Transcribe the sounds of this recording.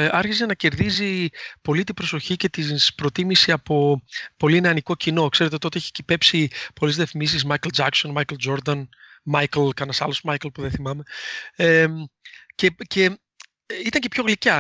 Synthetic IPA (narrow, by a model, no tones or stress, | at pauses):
ɐɾçize̞nɐce̞ɾðizipo̞lit̪̬ibɾo̞so̞çice̞t̪ispɾo̞t̪imisiɐpo̞po̞linɐniko̞cino̞kse̞ɾe̞t̪et̪ot̪eeçi̥cipe̞psipo̞lezðefmis̬ismɐjkeld͡ʒɐkso̞nmɐjkeld͡ʒo̞ɾd̪ɐn | mɐjkelkɐnɐsɐlosmɐjklpuðeθimɐme̞e | ce̞ce̞ | it̪ɐɲce̞pço̞ɣlicɐ